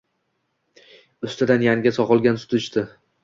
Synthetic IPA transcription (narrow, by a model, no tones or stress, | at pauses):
ʊst̪ɪd̪anjaŋɡʲasɒqɒlˠɡʲansʊ̥t̪ʰɪʃt̪ɪ